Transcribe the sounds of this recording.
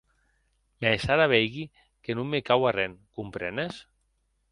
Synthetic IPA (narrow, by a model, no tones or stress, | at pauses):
mɛsaɾaβ̞ɛjɣi | kenumːekawarɛŋkumpɾɛ̰nes